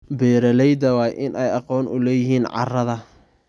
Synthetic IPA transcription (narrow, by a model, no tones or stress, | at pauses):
bɛːɾɐlɛjd̪ɐwɑːjʔɪnʔɛjɑqɔːnʊlɛːjɪɦiːnʕɑ̰rɐðɐ